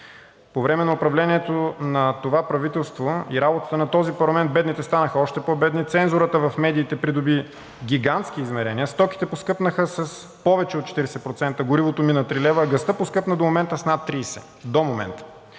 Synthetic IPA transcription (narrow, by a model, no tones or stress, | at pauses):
povɾɛmɛnɐʊpɾɐvlɛniɛt̪onɐt̪ovapɾɐvit̪ɛlˠst̪voiɾabot̪ə̥t̪ənɐt̪ɔzipɐɾlˠɐmɛnt̪̚bɛd̪nit̪ɛst̪anəxəɔʃt̪ɛpobɛd̪nit̪sɛnzʊɾət̪əvɐfmɛd̪iːt̪ɛpɾid̪ʊbi | ɡʲiɡant̪sk̟iːzmɛɾɛniəst̪ɔk̟i̥t̪ɛposkɤpnəxəsɐs | pɔvɛt͡ʃɛot̪̚t͡ʃɛ̥t̪iɾɛsɛpɾot̪sɛnt̪əɡʊɾivot̪ominət̪ɾilɛvəːɡɐst̪ɤposkɤpnəd̪omomɛnt̪əsnat̪ːɾiːsɛ̰ | d̪omomɛ̰nt̪ə̥